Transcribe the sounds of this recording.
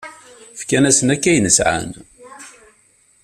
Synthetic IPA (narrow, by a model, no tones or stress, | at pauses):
fkænæsənækːæjnəsʕa̰n